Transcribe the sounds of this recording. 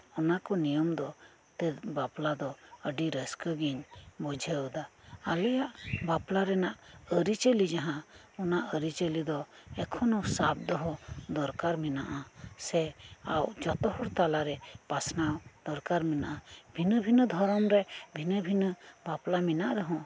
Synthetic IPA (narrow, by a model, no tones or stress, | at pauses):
ɔnakɔnijɔmd̪ɔ | t̪ɛt̪̚baplad̪ɔəɖiɾəskəɡiɲbɔd͡ʒʱəwd̪aːlɛjaʔbaplaɾɛnaʔəɾit͡ʃəlid͡ʒaɦãɔnaʔəɾit͡ʃəlid̪ɔɛkʰɔnɔsab̚d̪ɔɦɔd̪ɔɾkaɾminaʔasɛawd͡ʒɔt̪ɔhɔɾt̪alaɾɛpasnawd̪̥ɔɾkaɾminaʔabʱinəbʱinəd̪ʱɔɾɔmɾɛbʱinəbʱinəbaplaminaʔɾəɦɔ̃